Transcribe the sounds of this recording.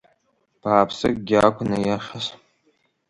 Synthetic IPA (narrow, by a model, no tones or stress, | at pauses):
b̥ʰaːpʰsɨkʼɡʲakʷʰʊnajaχʲas